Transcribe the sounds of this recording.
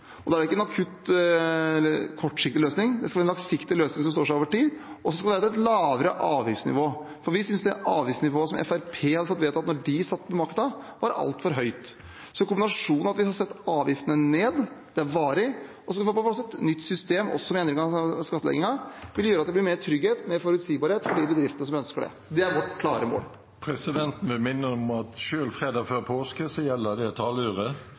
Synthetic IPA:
ɔd̪ɛæɖɛɪkːəɛnɑkʰʉt̪ | ɛlːəɾkʰɔʈːʂɪk̚t̪ɪløːsnɪŋd̪ɛskɑʋæɾɛnlɑksɪkt̪ɪløːsnɪŋsɔmst̪oːɾʂɪoːʋəʈiːd̪ʔɔs̬ɔskɑɛæɾt̪ɔɛt̪lɑːʋəɾəʔɑːʋjɪftsnɪ̰ʋoː | fɔɾʋɪsʏnsd̪ɛɑːʋjɪftsnɪʋoːəsɔmɛ̰fæɾpʰeːhɑd̪ːəfɔt̪ːʋeːt̪ɑt̪nɔɖɪsɑt̪ːmɛmɑɾkə̥t̪ɑʋɑɾɑ̰lt̪fɔɾɦœʏt̪ | sɔkʊmbɪnɑʂuːnɑt̪ʋɪhɑɾsɛt̪ːɑːʋjɪft̪ənəneːd̪d̪̥ɛæɾʋɑːɾɪ | ɔsɔskɑʋɪfoːppɑsɛt̪nʏt̪ːsʏst̪eːmɔ̰sːɔmeːnəɾɡɑskɑt̪ːəlɛ̰ɡɪŋɑʋɪljøːɾɑt̪d̪ɛb̪lɪɾmeːɾt̪ʰɾʏɡheːt̪meɾfɔɾʉt̪siːbɑːɾheːt̪fɔɖibəd̪ɾɪft̪ənəs̬ɔmœnskəɖɛ̰ | d̪ɛæɾʋɔʈkʰlɑːɾəmo̰ːl | pʰɾɛsɪd̪ɛnt̪n̩ʋɪmɪnːəɔmɑt̪ʃøːlfʁeːd̪ɑːɡføːɾpʰoːskəsɔjɛlːəd̪ɛt̪ʰɑːlʉːʁə

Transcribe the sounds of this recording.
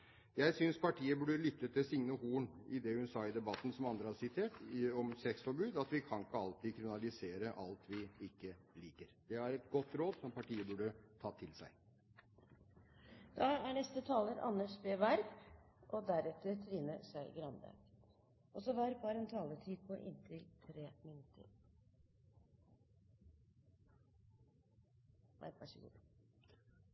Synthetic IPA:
jæɪsʏnspʰɑʈʰiːəbʉːɖəlʏt̪ːət̪ʰɪlsɪŋnəhuːɳɪd̪ɛhʉnsɑːɪd̪ɛbɑt̪ːn̩sɔmɑnd̪ɾəhɑɾsɪt̪ʰeːʈɔmsɛksfɔɾbʉːd̪ɑt̪ʋɪkʰɑŋkːəɑlt̪iːkʰɾɪmɪnɑlɪseːɾəʔɑlt̪ʰʋɪɪkːəliːkəɾd̪ɛɑɾɛt̪ɡɔt̪ːɾoːd̪sɔmpɑʈiːəbʉːɖət̪ʰɑːt̪ʰɪlsæ̰ɪ | d̪̥ɑːæɳɛst̪ət̪ʰɑːləɾɑ̰nːəʂbeːʋæɾbʔɔd̪æɾɛt̪ːəɾt̪ʰɾiːnəsæɪɡɾɑnb̪æ̰ːk | ʔɔsɔʋæɾpɑːɾənt̪ʰɑːlətʰiːd̪̚pʰɔʔɪ̰nt̪ʰɪlt̪ʰɾeːmɪnʉt̪ʰːə̰ɾ | ʋæ̰ɾʋæʂəɡṵː

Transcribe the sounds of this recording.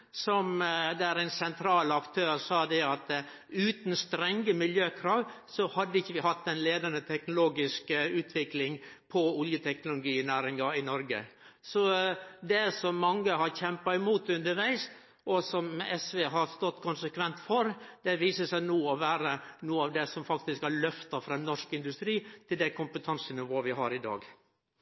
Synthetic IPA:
sɔmd̪ɛæɾæɪnsɛnt̪ʰɾɑːlɑkt̪ʰøːɾsɑːd̪ɛɑt̪ | ʉːt̪n̩st̪ɾɛŋːəmɪljøːkʰɾɑːʋ | sɔhɑd̪ːəɪçːəʋɪhɑt̪ːɛnleːd̪ɑnət̪ʰɛknʊloːɡɪskəʉːt̪ʰʋɪklɪŋpʰɔʊljət̪ʰɛknʊlʊɡiːnæːɾɪŋɑɪnɔɾɡə̰sɔd̪ɛsɔmːɑŋːəɦɑɾçɛmpɑɪmuːt̪ʉnd̪əɾʋæɪs | ʔɔsɔmɛsʋeːɦɑɾst̪ɔt̪ːkʰʊnsəkʰʋɛnt̪fɔɾd̪̥ɛʋiːsəsæɪnuːɔʋæːɾənuːəɑːʋd̪ɛsɔmfɑk̚t̪ɪskɑlœft̪ɑfɾɑnɔʂkɪnd̪ʉst̪ɾiːt̪ʰɪld̪ækʰʊmpət̪ʰɑnsənɪʋoːʋɪɦɑɾɪd̪ɑ̰ːɡ

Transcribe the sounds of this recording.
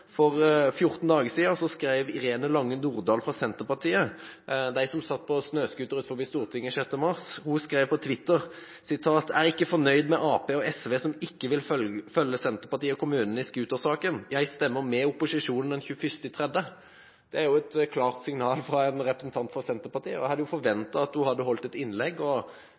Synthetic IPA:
fɔʁfjʊʁt̪n̩d̪ɑːɡəsiːəsɔskɾæɪʋɪɾeːnəlɑŋːənuːʁd̪ɑːlfʁɑsɛnt̪əpɑʁt̪ʰiːə | d̪æɪsɔmsɑt̪ːpʰɔsnøːskʉːt̪əɾʉːt̪fɔbiːst̪uːʁt̪ʰɪŋːəʃɛt̪ːəmɑʁshʊskɾeɪʋpɔt̪ʰʋɪt̪ːəʁ | sɪt̪ʰɑːt̪æʁɪkːəfɔʁnœʏd̪mɛʔɑːpeːɔɛsʋeːsɔmɪkːəʋɪlfœljːəsɛnt̪əpɑt̪iːəɔkʰʊmʉːnən̩ɪskʉːt̪osɑːkənjæɪst̪ɛmːəɾmɛʊpːʊsɪʂuːnn̩d̪ɛnçʉːəfʏst̪ɪt̪ʰʁɛd̪ə | d̪̥ɛæɾjʊɛt̪kʰlɑːʁt̪sɪŋnɑːlfʁɑɛnɾɛpɾəsn̩t̪ʰɑnt̪fɔsɛnt̪əɾpɑʁt̪ʰiːəɔæhɑd̪ːəjʊfɔɾʋɛnt̪ɑɑt̪̚d̪ʉhɑd̪ːəhɔlt̪ɛt̪ɪnlɛɡːɔ

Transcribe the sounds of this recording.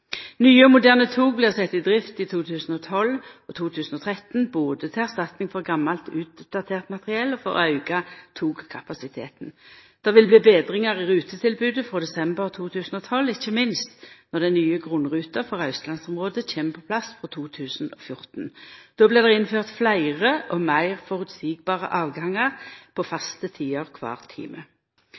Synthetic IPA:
nyːəmʊd̪æːʁnət̪ʰuːɡ̚blɪːʁsɛt̪ːɪd̪ʁɪft̪ɪt̪ʰuːt̪ʰʉːsn̩ɔt̪ʰɔlɔt̪ʰuːt̪ʰʉːsn̩ɔt̪ʰʁɛt̪n̩boːd̪ət̪ʰɪlæʁst̪ɑt̪nɪŋfɔʁɡɑmːɑlt̪ʉ̰ːt̪̚d̪̥ɑt̪ʰeːʁt̪mɑt̪ʁɪɛlːɔfɔ̰ʁ̰ɑʉɡɑt̪ʰuːɡkʰɑpɑsɪt̪ʰeːt̪n̩d̪̥ɛʁʋɪlbliːbeːd̪ʁɪŋəʁɪʁʉːt̪ət̪ʰɪlbʉːd̪əfʁoːd̪ɛsɛmbəʁt̪ʰuːt̪ʰʉːsn̩ɔt̪ʰɔlɪçəmɪnst̪nɔʁd̪ɛnnyːəɡʁʊnʁʉːt̪ɑfɔʁɑʉslɑnsɔmʁoːd̪ət͡ʃʰeːməpʰɔpʰlɑsfʁɔt̪ʰuːt̪ʰʉːsn̩ɔ̰fjʊʁt̪n̩d̪̥oːblɪːʁd̪ɛɪnføːʁt̪flæɪʁəʔɔmæɪʁfɔʁʉd̪siːɡ̚bɑːʁə̰ʔɑːʋɡɑŋɑʁpʰɔfɑst̪ət̪ʰiːɔʁkʰʋɑ̰ːʁt̪ʰḭːmə

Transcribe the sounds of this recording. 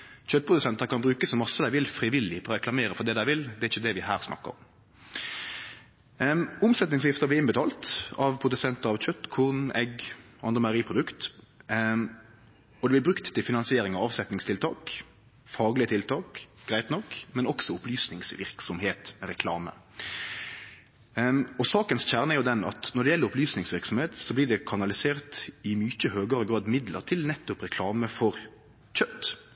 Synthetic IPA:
çœt̪̚ːpɾʁʊd̪ʉsɛnt̪əɾkɑnbɾʉːkəsɔmɑsːəd̪æɪʋɪlfɾɪʋɪlɪfɔɾɔɾɛklɑmeːɾəfɔd̪ɛːd̪æɪʋɪld̪ɛæɾɪçːəd̪ɛʋɪhæːɾsnʔɑ̰kːə̰ɾɔ̰m | ʊmsɛt̪nɪŋsɪft̪əʁblɪɪnbət̪ʰɑːlt̪ɑʋpʰɾʊd̪ʉsɛnt̪əɾɑʋc͡çœt̪ːkʰuːʁnɛɡʔɑnd̪ʁəmɑɾiːpʰʁʊd̪ʉkt̪ | ɔd̪ɛb̪ɪbɾʉkt̪t̪ːɪlfɪnɑnsɪeːɾɪŋɑʋɑʋsɛt̪nɪŋst̪ɪlt̪ʰɑːk | fɑːɡlɪət̪ʰɪlt̪ʰɑːkɡ̥ɾæɪt̪nɔkːmɛnɔksɔʊplyːsnɪŋsʋɪ̰ɾksɔmheːt̪mɛɾɛkʰlɑ̰ːmə̰ | ɔsɑːkənsçæʁnəɛʁjʊd̪ɛnɑ̰t̪nɔʁɖ̪ɛjɛlːəɾʊplyːsnɪŋsʋɪɾksɔmheːt̪sɔblɪːɖɛkʰɑnɑlɪseːʁt̪ɪmyːçəhøːɡəɾəɡɾɑːd̪mɪd̪lə̰ɾt̪ʰɪlnɛt̪ːʊpʁɛkʰlɑːməfɔɾ | c͡çœt̪ː

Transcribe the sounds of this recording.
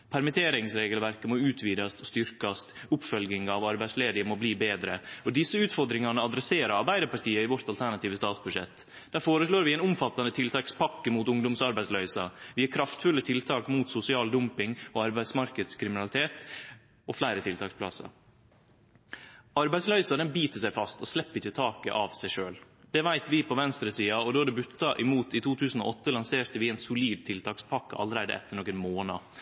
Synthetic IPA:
pʰæɾmɪt̪ʰeːɾɪŋsɾeːɡəlʋæɾkəmɔʉːt̪ʰʋiːd̪ɑst̪st̪ʏɾkɑst̪ʊpfœlɡɪŋɑʋɑɾbæɪsleːd̪ɪmɔbliːbeːd̪ɾəɔd̪ɪsːəʉːt̪fɔɾd̪ɾɪŋɑnəɑd̪ɾɛseːɾəɾɑɾbæɪd̪əɾpɑɾʈ̪ʰiːəɪʋɔɾt̪ɑlt̪ʰæɳɑt̪iːʋəst̪ɑːt̪sbʉdʂɛ̰t̪ː | d̪̥æːɾfoːɾəʂloːɾʋɪɛɪnʊmfɑt̪ːɑnət̪ʰɪlt̪ɑːkspʰɑkːəmuːt̪ʊŋd̪ʊmsɑɾbæɪslœʏsɑʋɪæɾkʰɾɑft̪fʉlːət̪ʰɪlt̪ʰɑːkmuːt̪sʊsɪɑːld̪ʊmpɪŋɔɑɾbæɪsmɑɾkəd̪skʰɾɪmɪnɑlɪt̪ʰeːt̪ | ɔflæɪɾət̪ʰɪlt̪ʰɑːksplɑ̰sɑ̰ | ɑɾbæɪslœʏsɑd̪ɛnbiːt̪əsæɪfɑst̪ɔslɛpːəɪçːət̪ʰɑːkə̰ʔɑʋsæɪʂøːl | d̪̥ɛʋæɪt̪ʋɪpʰɔʋɛnst̪ɾəsiːɑɔd̪oːd̪ɛbʉt̪ːɑʔɪmuːt̪ɪt̪ʰuːt̪ʰʉːsn̩ɔ̰ʔɔt̪ːəlɑnseːɾt̪əʋɪɛːnsʊliːd̪̚t̪ʰɪlt̪ʰɑːkspʰɑkːə̰ʔɑ̰lɾæɪd̪ə̰ʔɛ̰t̪ːəɳoːkːənmoːnɑ̰

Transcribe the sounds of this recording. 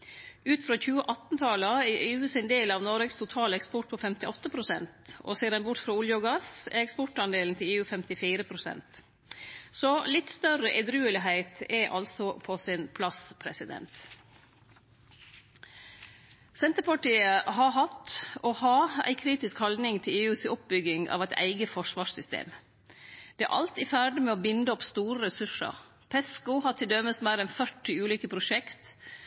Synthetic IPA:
ʉːt̪fɾoːçʉːəʔɑt̪nt̪ʰɑləɑɛʔeːʉːsɪnd̪eːlɑːʋnɔɾɛɡst̪ʰʊt̪ʰɑːlɛkspɔʈ̚pʰɔfɛmt̪ɪʔɔt̪ːəpʰɾʊsɛ̰nt̪ɔ̰seːɾɛnbʊɾʈfɾɑːʊljɔɡɑsɛ̰ɛkspɔʈɑnd̪eːln̩t̪ʰɪleːʉːfɛmt̪ɪfiːɾəpʰɾʊsɛ̰nt̪ | sɔlɪt̪st̪œɾəʔɛd̪ɾʉːəlɪɦæɪt̪ɛʔɑ̰lsɔpʰɔsɪnpʰlɑspʰɾɛsɪd̪ɛ̰nt̪ | sɛnt̪əɾpɑʈiːəhɑɦɑt̪ohɑːæ̰ɪkʰɾiːt̪ɪskhɑld̪nɪŋt̪ʰɪleːʉːsɔp̚bʏɡɪŋɑ̰ːʋæɪt̪æ̰ɪɡəfɔʂʋɑːʂsʏst̪ḛːm | d̪̥ɛæ̰ʔɑ̰lt̪ɪfæːɖəmeːoːbɪnd̪əɔpst̪uːɾəɾɛsʉʂə̰ɾ | pʰɛskʊhɑʈʰɪld̪ɛməsmæːɾɛnfœʈɪʉːliːkəpʰɾʊʂɛkt̪

